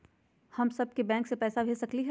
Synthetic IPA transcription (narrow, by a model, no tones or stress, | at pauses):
hɐmsɐb̚kebɛ̃ːŋksepɛːsabʱeːsɐkliɦɛ